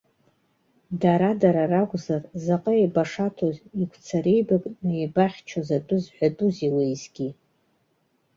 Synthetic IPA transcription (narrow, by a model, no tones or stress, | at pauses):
daɾadaɾaraɡʷʼzarzaqʼəejbaʂatʰozikʷʰt͡sʰaɾejbakʼnɨebaχʲt͡ʃʰazadʼʊzħʷᶣadʼuzilejzɡʲi